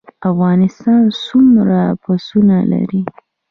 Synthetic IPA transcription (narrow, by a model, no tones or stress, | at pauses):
afɣɑnɪst̪ɑnsumɾapasunala̰ɾi